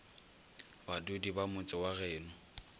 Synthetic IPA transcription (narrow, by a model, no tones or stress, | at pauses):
badʊdibamʊt͡sʼɪwaɣɛːnʊ